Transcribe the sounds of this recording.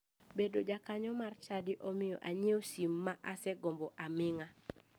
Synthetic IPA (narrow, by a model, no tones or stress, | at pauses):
bedod͡ʒakaɲɔmart͡ʃadɪʔomɪjɔ̰ʔaɲiosimːaʔasɛɡɔmbɔʔamɪŋa